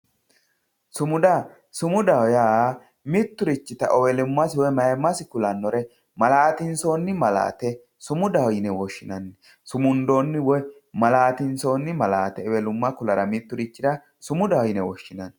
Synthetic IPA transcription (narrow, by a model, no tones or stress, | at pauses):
sʊmʊd̪a | sʊmʊd̪ɐwja | mɪt̪ːʊɾɪt͡ʃːɪt̪ɐʔɔwɛlʊmːɐsɪwɔjmɐjɛmːɐsɪkʊlɐnːɔɾɛ | mɐlaːt̪ɪnsoːnːɪmɐla̰ːt̪ɛ | sʊmʊd̪ɐwjɪnɛwɔʃːɪnɐnːɛ | sʊmʊnd̪o̞ːnːɪwɔj | mɐlaːt̪ɪnsoːnːɪmɐlaːt̪ɛɛwɛlʊmːɐkʊlɐɾɐmɪt̪ːʊɾɪt͡ʃːɪd̪ɐ | sʊmʊd̪ɐwjɪnɛwɔʃːɪnɐn